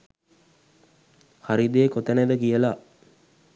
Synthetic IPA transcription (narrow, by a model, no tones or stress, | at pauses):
haɾid̪ekot̪əneʋəkijəla